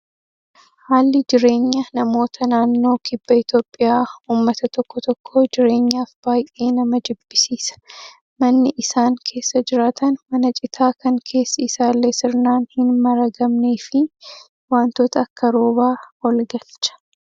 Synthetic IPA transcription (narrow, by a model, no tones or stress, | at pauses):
haːlːɪd͡ʒɪɾe̞ːɲːɐnɐmo̞ːt̪ʰɐnaːnːo̞ːkɪbːɐɪt̪jo̞ːpʼːɪjaːuːmːɐt̪ɐt̪ɔkːɔt̪ɔkʰːo̞ːd͡ʒɪɾe̞ːɲːaːfb̥aːjʔe̞ːnɐmɐd͡ʒ̪ɪbːɪsiːsɐ̥ | mɐnːɪʔɪsaːŋkʰe̞ːsːɐd͡ʒɪɾaːt̪ɐnmɐnɐt͡ʃʼɪt̪ʰaːkɐŋkʰe̞ːsːɐɪsaːlːeːsɪɾnaːnhɪnmɐɾɐɡɐmneːfɪ | waːnt̪oːt̪ʰɐːkːɐɾo̞ːbaːwɐlɡɐlt͡ʃɐ̥